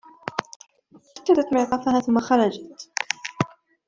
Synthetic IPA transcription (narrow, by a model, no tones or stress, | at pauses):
ʔakːad̪at̪mɪʕq̪ɑfahaːθʊmːaxɑɾˤɑd͡ʒat̪